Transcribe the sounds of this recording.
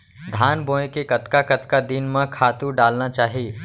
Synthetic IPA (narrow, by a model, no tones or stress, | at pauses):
d̪ʱaːnbõːekekɐt̪kakɐt̪kad̪inmãkʰaːt̪uɖaːlnat͡ʃaːɦieː